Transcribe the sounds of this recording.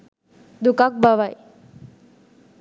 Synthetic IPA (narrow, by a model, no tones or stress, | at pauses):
d̪ukak̚baʋaj